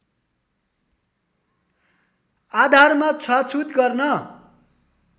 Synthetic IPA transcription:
ad̪ʱarmat͡sʰʌt͡sʰut̪ɡʌrnʌ

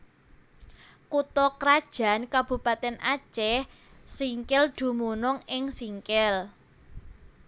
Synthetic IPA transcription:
kut̪ɔkɾad̥ʒ̥a̤nkab̥ṳpat̪ɛnʔḁt͡ʃɛh | siŋkɛld̪̥ṳmunʊŋɪŋsiŋkɛl

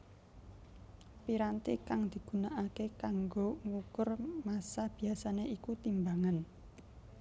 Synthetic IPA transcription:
piɾant̪ikaŋd̪̥i̤ɡ̥ṳnaʔakekaŋɡoŋukʊrmasab̥i̤asaneʔikut̪imbaŋan

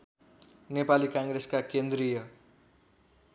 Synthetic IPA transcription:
nepalikãŋɡɾeskakend̪ɾijʌ

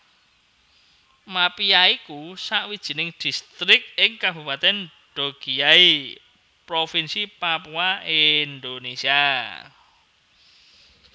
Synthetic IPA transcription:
mapijaikusaʔwid̥ʒ̥i̤nɪŋd̪̥i̤st̪ɾɪk̚ɪŋkab̥upat̪ɛn | ɖ̥o̤ɡ̥i̤ai | pɾofinsipapuaind̪onesia

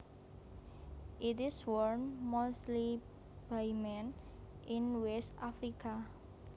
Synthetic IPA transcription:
ʔitɪswɔɾnmosli | b̥ajmɛ̃n | ʔinwɛst̪afɾika

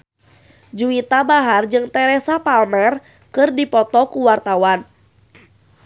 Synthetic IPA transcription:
d͡ʒuit̪abaɦard͡ʒɨŋt̪ɛɾɛsapalmɛr | kɨrdipɔt̪ɔkuwart̪awan

